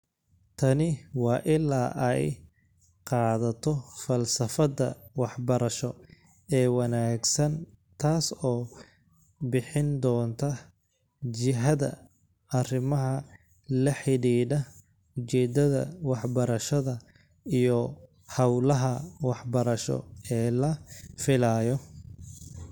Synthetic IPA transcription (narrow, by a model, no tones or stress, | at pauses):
t̪ʰɐnɪwɑːʔɪla̰ːʔɛj | qɑːðɐt̪ʰɔfɐlsɐfɐdɐwɑħbɐɾɐʃɔ | ɛːwɑnaːɡsɐn | t̪ʰaːsɔː | bɪħɪnd̪ɔːnt̪ʰɐ | t͡ʃɪɦɐðɐ̰ | ɐrɪmɐɦɐ | lɐħɪɽiːɖɐ | ʊt͡ʃɛːd̪ɐðɐ̰wɑħbɐɾɐʃɐðɐ | ijɔ | hɐwlɐɦɐwɑħbɐɾɐʃɔ̰ɛːlɐfɪlaːjɔ